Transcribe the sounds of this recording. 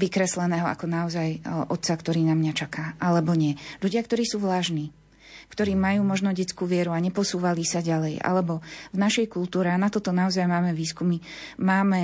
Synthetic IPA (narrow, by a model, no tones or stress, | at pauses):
ʋikɾɛslɛnɛːɦɔa̰kɔnaɔzajʔɔt̪t͡sakt̪ɔɾiːnamɲat͡ʃakʰaːʔalɛbɔɲɪɛʎuɟɪak̚t̪ɔɾiːsuːʋlaːʒniː | kt̪ɔɾiːmajuːmɔʒnɔɟɛt͡skuːʋɪɛɾuaɲɛpɔsuːʋalisaɟalɛjʔa̰lɛbɔvnaʃɛjkult̪uːɾɛanat̪ɔt̪ɔnaɔzajmaːmɛʋiːskumimaːmɛ